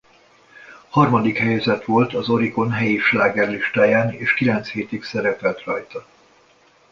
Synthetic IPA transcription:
hɒrmɒd̪ikhɛjɛzɛt̪ʋo̞lt̪ɒzo̞ɾiko̞nɦɛjiʃlaːɡɛrliʃt̪aːjaːnḛːʃkilɛnt̪sheːt̪iksɛɾɛpɛlt̪rɒjt̪ɒ

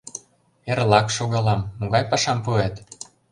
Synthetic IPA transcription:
eɾlɑkʃoɣɑlɑmːoɣɑjpɑʃɑmpuet̪

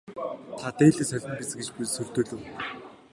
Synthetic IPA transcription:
t̪ʰat̪eːɮiːsœɮʲɘ̆mpit͡sɘ̆ŋɡet͡ɕpsɵr̥t̪ŭːɮɘ̆w

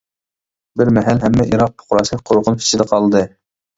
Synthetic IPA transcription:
bɪɾmɛɦælɦɛmːɛʔiɾɑq̚pʰʊ̥qʰʊɾɑslˠɨk̚ʲqʰoɾʊʁʊnpi̥t͡ʃʰːɪd̪ɛqʰɑlˠd̪ɨ

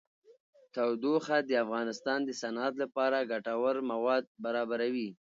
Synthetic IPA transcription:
t̪awd̪oxad̪əafɣɑnɪst̪ɑnd̪əsanat̪lapɑɾaɡaʈawaɾmawɑd̪̚baɾɑbaɾawi

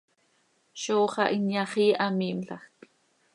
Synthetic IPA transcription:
ʃoːχɑ̰ʔinjɑχiːʔɑmiːmɬɑχk

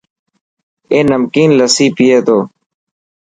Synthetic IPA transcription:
eːnəmkiːnləsiːpɪjeːt̪oː

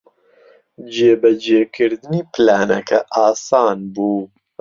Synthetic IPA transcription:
d͡ʒeːbɛd͡ʒeːkʰɨɾd̪ɨniːplaːnɛkʰɛʔaːsaːnbuː

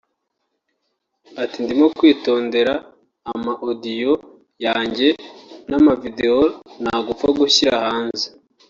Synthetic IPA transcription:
atindimokwiːto̞ːnde̞ɾaː | mahodijo̞ | jaːɲɟe̞namavide̞onaɡufaɡuçiɾahaːnzi

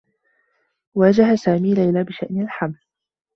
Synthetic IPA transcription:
waːd͡ʒaɦasaːmiːlajlaːbɪʃaʔnɪlħaml

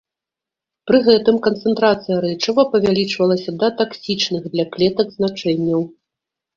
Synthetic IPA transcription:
pɾɨɣɛt̪ɨmkɐnt̪sɛnt̪ɾat̪sɨjɐɾɛt͡ʂɐvɐpɐvʲalʲit͡ʂvɐlˠɐsʲɐd̪ɐt̪aksʲit͡ʂnɨɣd̪lʲɐklʲɛt̪ɐɡznat͡ʂɛnʲːɐw

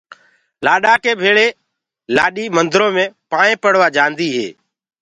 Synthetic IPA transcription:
laːɗaːkeːbʱeːɭeː | laːɗiːmənd̪ɾõːmẽːpaːɳẽːpəɽ̤ʋaːd͡ʒãːnd̪iːɦḛː

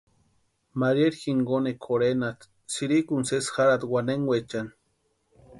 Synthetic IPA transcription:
maɾjeɾxiŋɡonekʰoɾenat̪ | siɾikunsesxaɾad̪waneŋwʷet͡ʃan

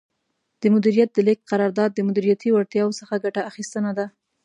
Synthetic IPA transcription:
d̪̥əmʊd̪iɾijat̪̚d̪əlɪk̚qaɾɑɾd̪ɑd̪̚ːəmʊd̪iɾijat̪iwaɾt̪jɑwosəxaɡaʈaaxist̪ənad̪a

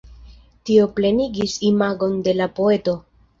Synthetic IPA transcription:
tio̞ple̞niɡisimaɡo̞nde̞lapo̞e̞to̞

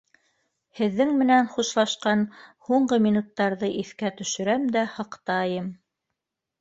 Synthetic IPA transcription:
hɘ̆ðːɘŋmɘ̆nænχuʃlˠɑʃqɑnhuɴɢɤmʲinut̪ːɑɾðɤʔiθkæt̪ɵ̆ʃɘ̆ɾæmd̪æhɤ̆qt̪ɑjɤm

